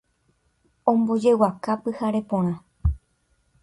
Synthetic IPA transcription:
õ̞mbo̞d͡ʒe̞wakapɨhaɾe̞põ̞ɾ̃ã

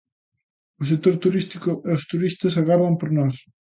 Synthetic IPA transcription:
ʊsek̚t̪oɾt̪uɾist̪ikʊʔeost̪uɾist̪ɐsaɣaɾðɐmpoɾnɔs

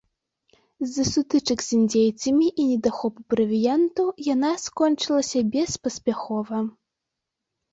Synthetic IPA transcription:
zʲɐsut̪ɨt͡ʂɐkzʲinʲd͡zʲejt̪sɐmʲiʔinʲɛd̪axɔpupɾɐvʲijɛnt̪ujanaskɔnʲt͡ʂɨlˠɐsʲɐbʲɛspɐsʲpʲaxɔvɐ

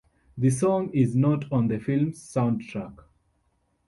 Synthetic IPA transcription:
ðɨsɔ̃ŋɪznɔtʰɔ̃nd̪əfilmzːãʊ̃ndtʰɹak

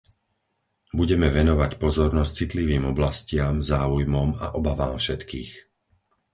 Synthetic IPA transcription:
buɟɛmɛʋɛnɔʋacpɔzɔɾnɔs̚t͡sit̪liʋiːmɔblascɪamzaːujmɔma̰ʔɔbaʋaːmfʃɛt̪kiːx

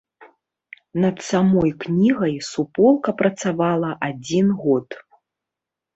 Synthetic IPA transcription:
nɐt̪samɔjknʲiɣɐjsupɔlˠkɐpɾɐt̪savalˠɐʔad͡zʲinɣɔt̪

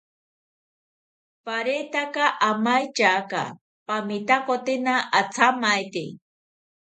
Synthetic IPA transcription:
paɾet̪akaʔamajt͡ʃaka̰ | pamit̪akot̪ɪnaʔːt͡sʰamajt̪ḭ

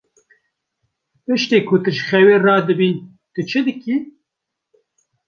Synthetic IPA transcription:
pɨʃt̪eːkʰʊt̪ɨʃχɛweːrɑːd̪ɨbiːn | t̪ɨt͡ʃʰɨd̪ɨki

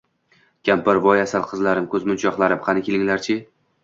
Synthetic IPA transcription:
kʲʰampɪɾvɒjasalˠqʰɨzlaɾɪmkʰɵzmʊnt͡ʃʰɒχlˠaɾɪmχɑnɪkʲʰelɪŋlaɾt͡ʃʰɪ

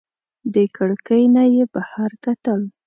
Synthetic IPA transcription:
d̪əkʰəɽkəjnajebahaɾkat̪əl

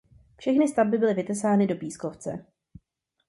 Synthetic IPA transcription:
fʃɛxnɪst̪avbɪbɪlɪvɪt̪ɛsaːnɪdo̞piːskoft͡sɛ̰

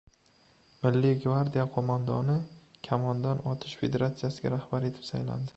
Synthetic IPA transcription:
mɪlːɪɡvaɾd̪ijaqʰomand̪ɒnɪkʲʰamɒnd̪anɒt̪ʰɪʃfe̞d̪eɾat̪sijasɪɡʲa̰ɾahb̥aɾe̞t̪ʰɪ̥psajla̰nd̪ɪ

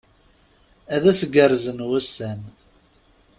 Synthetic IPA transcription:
æðæsəɡəɾˤzənwæsæn

